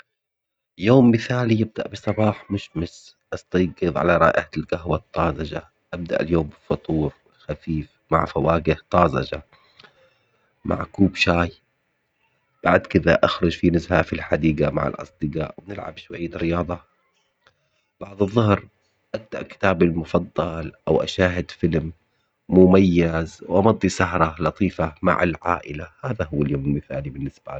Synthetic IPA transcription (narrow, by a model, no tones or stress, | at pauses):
joːmːɪθaːlijɪb̚d̪a̰ʔbɨsˤɑbɑːħmʊʃmɪs | ʔɑst̪ɑjɡɨðˤʕa̰laɾˤɑ̰ːʔɪhalɡaɦwat̪ˤːɑːzɑd͡ʒa̰ | ʔab̚d̪aʔljoːmbɪfʊt̪ˤuːɾ | xafiːf | ma̰ʕfawaːɡɪht̪ˤɑːzɑ̰d͡ʒa̰ | mʔa̰ʕkuːbʃaːj | b̥aʕd̪kɪd̪aʔaxɾˤʊd͡ʒfinʊzhafilħad̪iːɡama̰ʕɪ̰lʔɑ̰sˤd̪ɪɡa̰ːʔwɪnɪlʕa̰bʃwajːaɾɪjɑːd̪ˤɑ | b̥aʕd̪ˤɨðˤːʊhɾ | ʔak̚t̪ːaʔkɪ̥t̪aːbalmʊfɑd̪ˤːɑlʔawʔa̰ʃaːɦɪd̪fɪlmː | ʊmajːazwʔɑmɑd̪ˤːisaɦɾˤɑlɑt̪ˤiːfama̰ʕa̰lʕa̰ːʔɪlahaːðaɦʊwːaljoːmɪlmɪθaːlibɪnːɪsba